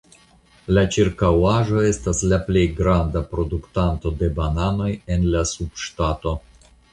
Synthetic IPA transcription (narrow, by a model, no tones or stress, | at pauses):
lat͡ʃiɾkawaʒo̞e̞staslaple̞jɡɾand̪apɾo̞d̪uktant̪o̞d̪e̞banano̞je̞nlasub̥ʃtato̞